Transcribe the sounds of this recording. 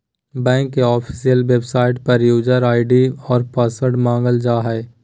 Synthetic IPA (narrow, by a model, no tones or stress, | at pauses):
bɛ̃ːŋkːeɔːpʰi̥sijəlʋebsaːɪʈpəɾjuːd͡ʒəɾaːɪɖiɔːɾpasəɾɖmãːŋɡəld͡ʒaːɦɛː